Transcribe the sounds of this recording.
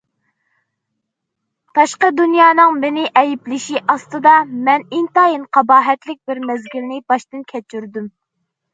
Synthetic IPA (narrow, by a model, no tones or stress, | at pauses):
t̪ʰɑʃqəd̪unjɑːnɨŋmɪnɪʔɛjiplɪʃiʔɑst̪ɨd̪ɑmɛnint̪ɑːjinqʰɑbɑːɦɛt̪lɪk̚ʲbɪɾmɛzɡʲilnɪbɑʃt̪ɨnkʲʰɛt͡ʃyɾd̪ym